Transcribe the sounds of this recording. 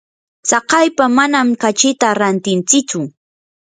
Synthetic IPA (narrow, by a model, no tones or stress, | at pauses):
sɑqɑjpamanamkat͡ʃɪt̪aɾant̪ɪnt͡sɪt͡sʊ